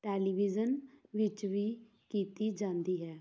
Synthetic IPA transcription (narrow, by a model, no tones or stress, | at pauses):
ʈɛːliʋid͡ʒənʋɪt͡ʃʋi | kiːt̪id͡ʒãːnd̪iɦɛː